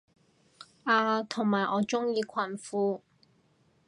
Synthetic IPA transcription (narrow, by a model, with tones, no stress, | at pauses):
ʔaː˧t̪ʰʊ˨˩ŋmaː˨˩jʔɔː˨˧t͡ʃʊ˥ŋjiː˧kʷʰɐ˨˩nfuː˨˧